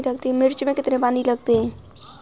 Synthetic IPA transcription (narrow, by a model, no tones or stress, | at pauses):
ləɡt̪imɪɾt͡ʃmekɪt̪nebaniləɡt̪ẽ